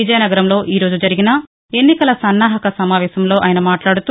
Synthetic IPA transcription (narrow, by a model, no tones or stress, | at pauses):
id͡ʒɐjnɐɡɐɾɐmlo̞ːʔiːɾo̞ːd͡ʒud͡ʒɐɾiɡinɐ | e̞nːikɐlɐsɐnːaːɦɐkɐsɐmaːʋɛːsɐmlo̞ːʔaːjɐnɐmaːʈlaːɽut̪u